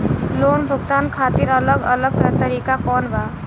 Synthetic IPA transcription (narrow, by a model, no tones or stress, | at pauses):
loːnbʱʊɡt̪aːnkʰaːt̪iɾələɡə̰ləɡ̚t̪əɾiːkakɔːnbʱa